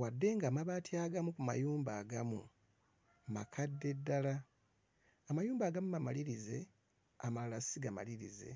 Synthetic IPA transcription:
wadːe̞ŋɡaːmaβaːtiaːɡamukuma̰juːmbaːɡamu | ma̰kʰadːe̞dːala | amajuːmbaːɡamumamaliɾize̞ | amalasiɡama̰liɾḭze̞̰

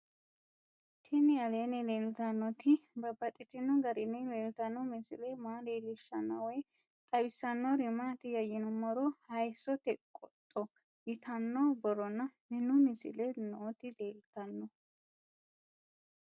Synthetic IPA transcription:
t̪ʰɪnɪɐleːnɛleːlt̪ɐnːɔt̪ɪbɐbːɐt̪ʼɪt̪ːɪnʊɡɐɾɪnːɛleːlt̪ɐnːɔmɪsɪ̰lɛmaːleːlɪʃːɐnːɐwɔj | t̪ʼɐwɪsːɐnːɔɾɪmːat̪ɪjɐjɪnɔmɔɾɔhɐjsɔt̪ɛkʼɔt̪ʼːɔ | jɪt̪ʰɐnːobɔɾɔnɐmɪnːʊmɪsɪ̰lɛnɔɔt̪ɪleːlt̪ɐnːɔ

